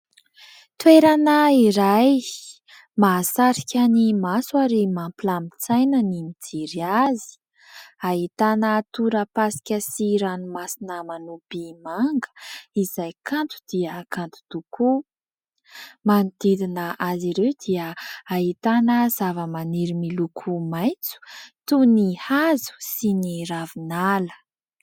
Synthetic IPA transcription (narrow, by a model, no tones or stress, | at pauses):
t̪weɾanaiɾaj | masaɾikʲanimaswaɾimampilamit͡sajnənimid͡ziɾiazi̥ | aɦit̪anət̪uɾəpasi̥kʲəsiɾanumasinəmanub̥imaŋɡə̥izajkant̪u̥d̪̥iəkant̪u̥t̪uku | manid̪ed̪inəʔaziɾewd̪̥iəaɦit̪anəz̥avəmaniɾimilukʰumajnt͡su̥t̪unihazu̥siniravinalə̥